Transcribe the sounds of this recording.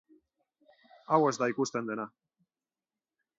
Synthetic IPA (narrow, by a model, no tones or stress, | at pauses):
awəsd̪ajkust̪end̪ena